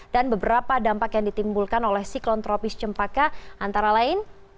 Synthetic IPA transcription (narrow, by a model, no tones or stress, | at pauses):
d̥anbəbəɾapadampakjaŋdit̪imbulkanolɛhsiklɔnt̪ɾɔpɪst͡ʃəmpakaʔant̪aɾalaɪn